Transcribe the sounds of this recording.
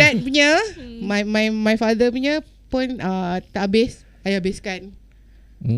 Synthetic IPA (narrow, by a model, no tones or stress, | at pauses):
ɛt̚puɲəmajmajmajfad̪əpuɲə̃ | pʊnət̪aʔabɪs | ajabɪskan